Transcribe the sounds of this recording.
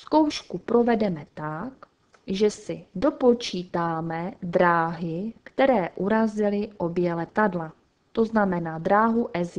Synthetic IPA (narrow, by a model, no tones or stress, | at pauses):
sko̞wʃkupɾo̞vɛdɛmɛt̪ak | ʒɛsɪdo̞po̞t͡ʃiːt̪aːmɛdɾaːɦɪkt̪ɛɾɛːʔuɾazɪlɪʔo̞bjɛlɛt̪adla | t̪o̞znamɛnaːd̪ɾaːɦuʔɛz